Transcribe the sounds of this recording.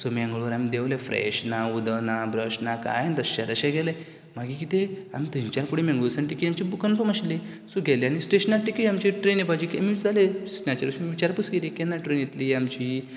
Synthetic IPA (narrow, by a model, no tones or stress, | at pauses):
somiãŋɡəɭʋəɾamid̪eʋlefɾḛɕnaud̪ənabɾəɕnaka̰jent̪əɕa̰d̪əɕaɡʱɛləj | maɡik̬it̪ea̰mit̪əɲt͡ɕalfuɽimẽŋɡusəɳʈikiamt͡ɕibukənfəmaɕlisuɡʱɛleañisʈeɕənaʈikiamt͡ɕiʈɾenjepad͡ʑikemid͡zalesnat͡ɕəɾusmiʋit͡ɕaɾpusɡelikenːaʈɾenjet̪liːamt͡ɕi